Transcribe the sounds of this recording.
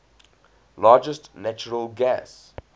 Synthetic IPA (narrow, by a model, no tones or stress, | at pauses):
lɑːd͡ʒəstnæt͡ʃəɹəlɡæs